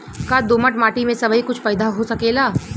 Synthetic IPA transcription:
kad̪oːməʈmaːʈimẽsɐbikʊt͡ʃʰpaːjd̪aɦosɐkeːlaː

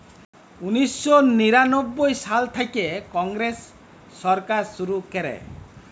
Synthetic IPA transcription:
unisːɔniɾanɔbːɔjsalt̪ʰajkekɔŋɡɾesː | ɔɾkaɾsuɾukeɾḛ

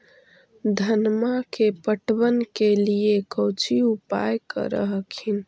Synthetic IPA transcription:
d̪ʱənmakepəʈbənkeliekəwt͡ʃʰiupa̰jkə̰ɾə̰ɦəkʰin

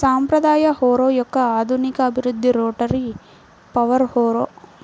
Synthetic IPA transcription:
saːmpɾɐd̪aːjɐhoːɾoːjɔkːɐaːd̪ʱunikɐːbʱiɾud̪ʱːiɾoːʈɐɾi | pɐʋɐɾhoːɾoː

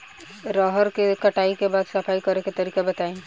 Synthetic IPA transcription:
ɾɔːɦəɾkekɐʈaːikebaːd̪sɐpʰaːikɐɾeket̪ɐɾiːkebɐt̪aːĩː

